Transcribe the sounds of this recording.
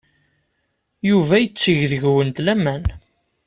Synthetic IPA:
juvæjət͡sːəʝðəʝwənt̪læmæn

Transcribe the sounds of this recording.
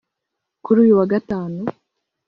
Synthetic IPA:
kuɾuːjuwaɡataːnu

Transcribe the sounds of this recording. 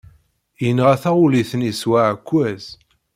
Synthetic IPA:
jənəʁæθæuliθəniswaʕkʷːæz̥

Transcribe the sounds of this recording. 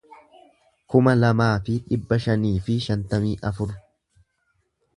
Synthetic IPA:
kʊmɐlɐmaːfɪᶑɪbːɐʃɐniːfɪʃɐnt̪ɐmiːʔɐfʊɾ

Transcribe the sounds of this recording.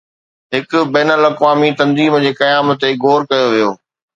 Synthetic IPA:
ɦɪkʊ̆bɛːnəlɐkʋaːmit̪ɐ̃nziːmd͡ʑeːkɐjaːmə̆t̪eɡʱoːɾkɐjoʋijoː

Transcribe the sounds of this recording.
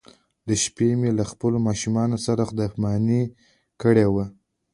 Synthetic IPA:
d̪əʃpemelaxpəlomɑʃumɑnosaɾaxd̪apmɑni | kəɽewa

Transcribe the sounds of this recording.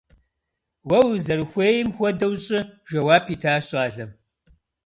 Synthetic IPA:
wɐwzɐrɨxʷeːjɪmxʷɔdɐwɕʼɪʒɐwaːpʰiːtʰaːɕʼaːɮɐm

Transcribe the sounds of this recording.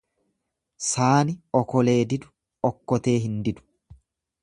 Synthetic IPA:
saːnɪɔkɔle̞ːd̪ɪd̪ʊ̥ | ɔkːɔt̪e̞ːɦɪnd̪ɪd̪ʊ̥

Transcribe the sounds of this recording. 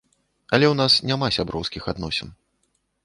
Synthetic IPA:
ɐlʲɛwnasnʲamasʲabɾɔwskʲixad̪nɔsʲɛn

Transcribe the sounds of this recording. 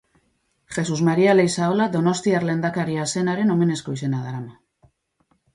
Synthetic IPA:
xe̞suzmaɾiale̞jsaolad̪o̞no̞st̪iaɾle̞nd̪akaɾiase̞naɾe̞no̞me̞ne̞sko̞ise̞naðaɾama

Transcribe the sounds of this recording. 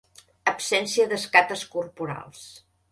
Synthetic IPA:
əpsɛnsiəðəskat̪əskurpuɾa̰lˠs

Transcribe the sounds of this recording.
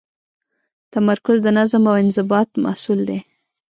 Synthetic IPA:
t̪amaɾkʊzd̪ənazamawɪnzɪbɑt̪ma̰hsuld̪e

